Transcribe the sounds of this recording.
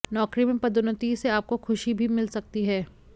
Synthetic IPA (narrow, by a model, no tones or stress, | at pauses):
nɔːkɾimẽpɐd̪ʊnʊt̪iːseaːp̚koxʰʊʃibʱimɪlsɐk̚t̪iɦɛː